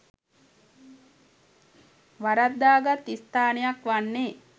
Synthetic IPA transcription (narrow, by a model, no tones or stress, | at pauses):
ʋaɾad̪ːaːɡat̪ːist̪aːnejakʋanːe